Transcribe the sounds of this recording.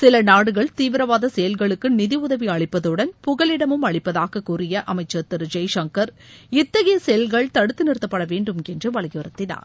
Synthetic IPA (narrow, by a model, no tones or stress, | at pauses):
sɪlɐnaːɽɯɣɐɭt̪iːʋɪɾɐʋaːðɐsɛjɐlɣɐɭɯkːɯnɪðiʊðɐʋiɐɭɪpːɐðɯɽɐnpʊɣɐɭɪɽɐmɯmɐɭɪpːɐðaːɣɐkːuːrɪjɐʔɐmɐɪt͡ʃːɐt̪ːɪɾɯd͡ʒɐɪʂɐŋkɐɾ | ɪt̪ːɐɣɐjɐsɛjɐlɣɐɭt̪ɐɽɯt̪ːɯnɪɾɯt̪ːɐpːɐɽɐʋeːɳɖɯmɛndrɯʋɐɭɐɣɯɾɐt̪ːɪna̰ːɾ